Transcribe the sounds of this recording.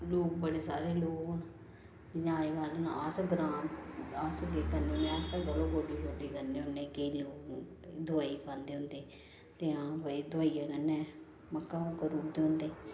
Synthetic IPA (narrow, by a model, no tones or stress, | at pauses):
loːk̚bəɽeːsa̰ːɾeːloːkn | d͡ʒɲaːiːkaːlonaaːsɡɾãːasɡeːkãːnd̪eːõnd̪eːast̪ãːɡəlõːɡoːɖiːloːɖiːkənːeːʊ̃nːeːkeiːloːk | d̪ʊaːiːpãːnd̪eːʊ̃nd̪eː | t̪eːãːpəid̪ʱʊaːiːjaːkənːɛ̃ː | məkːãːũːkəɾuːɾd̪eːʊ̃nd̪eː